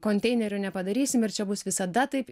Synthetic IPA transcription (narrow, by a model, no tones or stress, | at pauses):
koːnʲt̪ʲɛɪnʲɛɾʲʊnʲɛpɐd̪ɐɾʲiːsʲɪmɪrt͡ʃʲɛbʊsʋʲɪsɐd̪ɐt̪ɐɪp